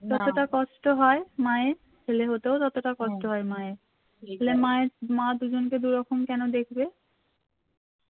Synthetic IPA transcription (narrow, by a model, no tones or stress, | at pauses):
d͡ʑɔt̪oʈakɔʃʈoɦɔemae | kʰeleɦot̪eod͡ʒɔt̪oʈakɔʃʈoɦɔemae | elemaemad̪ud͡ʑonked̪uɾɔkʰomkɛnod̪ekʰbe